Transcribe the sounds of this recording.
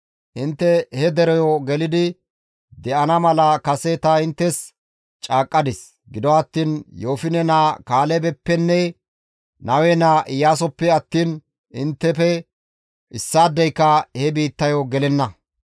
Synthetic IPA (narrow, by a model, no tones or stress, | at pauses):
ʔɪnt̪ːɛhɛd̪ɛɾɔjɔɡɛlɪd̪ɪ | d̪ɛʔɐnɐmɐlɐkɐsɛt̪ɐɪnt̪ːɛs | t͡ʃʼaːkʼːɐd̪ɪs | ɡɪd̪ɔɐt̪ːiːnjoːfɪnɛnaːkaːlɛbɛpːɛnːɛ | nɐwɛnaːʔɪjaːs̬ɔpːɛɐt̪ːiːn | ɪnt̪ːɛfɛ | ʔɪsːaːd̪ːɛjkːɐhɛbiːt̪ːɐjɔɡɛlɛnːɐ